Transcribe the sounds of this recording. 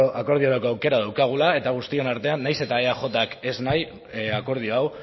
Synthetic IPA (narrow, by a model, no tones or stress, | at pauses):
oʔako̞ɾðioɾakoawke̞ɾað̞awkaɣ̞ulae̞t̪aɣ̞ust̪ie̞naɾt̪e̞anːajse̞t̪aeaxo̞t̪ake̞znaj | ako̞ɾð̞io̞aw